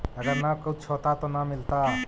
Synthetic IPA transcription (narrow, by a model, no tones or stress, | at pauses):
ɐɡəɾnɐkɐut͡ʃʰot̪at̪onamɪlt̪a